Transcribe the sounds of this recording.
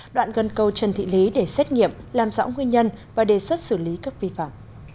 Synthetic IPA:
ɗwa̰ː˧˨nɣə˨˩nkə˨˧wt͡ɕə˨˩nt̪ʰḭ˧˨li˨˦ɗe˧˩sɛ˦˥t̚ŋḭ˧˨əmlaː˨˩mzɔ̰ː˧˥ŋwi˧nɲə˧nvaː˨˩ɗe˨˩swə˦˥t̚sɨ˧˩li˨˦kaː˦˥k̚vi˧fa̰ː˧˨m

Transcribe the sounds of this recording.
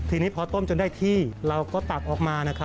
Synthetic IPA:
t̪ʰiː˧niː˦˥pʰɔː˧t̪o˥˩mt͡ɕo˧ndaː˥˩jt̪ʰiː˥˩ɾa˧wkɔː˥˩t̪a˨˩k̚ʔɔː˨˩k̚maː˧na˦˥kʰɾ

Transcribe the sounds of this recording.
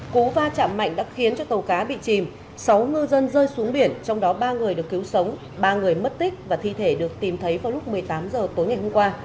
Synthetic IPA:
ku˨˦vaː˧t͡ɕa̰ː˧˨mːa̰˧˨jŋ̟ɗa̰ː˧˥xi˨˦ənt͡ɕɔ˧t̪ə˨˩wkaː˨˦ɓḭ˧˨t͡ɕi˨˩m | sa˨˦wŋɨ˧zə˧nzəː˧jsu˨˦əŋɓi˧˩ənt͡ɕɔ˧wŋ͡mɗɔ˨˦ɓaː˧ŋɨ˨˩əjɗɨ˨˩əkːi˨˦wsə˨˦wŋ͡m | ɓaː˧ŋɨ˨˩əjmə˦˥t̚t̪ï˦˥k̚vaː˨˩t̪ʰi˧t̪ʰe˧˩ɗɨ˨˩ək̚t̪i˨˩mt̪ʰə˨˦jvaː˨˩wlʊ˦˥k͡p̚mɨ˨˩əjt̪aː˨˦mzəː˨˩t̪o˨˦jŋa˨˩jhʊ˧ŋ͡mkwaː˧

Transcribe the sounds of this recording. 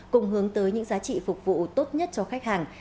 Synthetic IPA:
kʊ˨˧˩ŋ͡mɦɨ˨˦əŋt̪əː˨˦jɲɨ̰˧˥ŋzaː˨˦t͡ɕḭ˧˨fʊ˨˩k͡p̚vṵ˧˨t̪o˦˥t̚ɲə˦˥t̚t͡ɕɔ˧˩xa˦˥k̟̚haː˨˩ŋ

